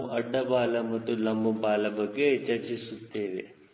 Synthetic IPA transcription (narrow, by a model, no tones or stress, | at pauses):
ɐɖːɐbaːlɐmɐt̪ːulɐmbɐbaːlɐbɐɡːeːt͡ʃɐɾt͡ʃisut̪ːeːʋe